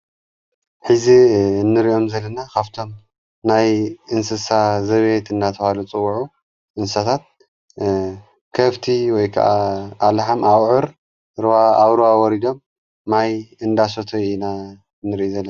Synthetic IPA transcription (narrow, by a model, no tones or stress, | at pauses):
ħɨzinːɨɾio̞mzɐlːɐnakʰaβt̪ʰo̞m | najʔɨnsɨsazɐβjet̪ɨnːat̪ʰɐwalut͡sʼɨwːuʕu | ʔɨnsat̪ʰat̪̚ | kʰɐβt̪ʰiwɔjkʰa̰ʔaːlħamawʕɨɾ | ɾwaaβɾɨwawɔɾid̪o̞mː | ajɨnd̪as̬ot̪ʰoina | nːɨɾiʔuzɐlːɐ